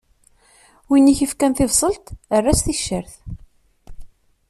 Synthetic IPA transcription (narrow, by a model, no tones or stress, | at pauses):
winːiçəfkænθɪvsˤəlt̪ərːæsθiʃːəɾθ